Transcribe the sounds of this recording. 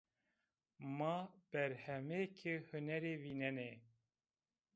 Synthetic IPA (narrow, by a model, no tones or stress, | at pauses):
maːb̥ɛɾhɛmeːkʰɨhɨnɛɾeːvinɛneː